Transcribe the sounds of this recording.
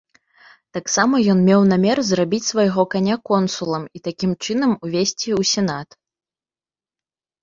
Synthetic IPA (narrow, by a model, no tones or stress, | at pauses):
t̪aksamɐjɔnmʲɛwnamʲɛrzrabʲit͡sʲsvajɣɔkanʲakɔnsulˠɐmit̪akʲimt͡ʂɨnɐmuvʲesʲt͡sʲiusʲɛn̪at̪